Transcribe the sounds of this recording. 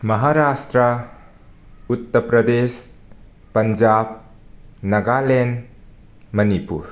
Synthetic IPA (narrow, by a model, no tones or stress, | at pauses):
mɐɦaɾasʈɾə | ut̪ːɐpɾɐd̪es | pɐnd͡ʒab̚ | nɐɡalen | mɐnipṵɾ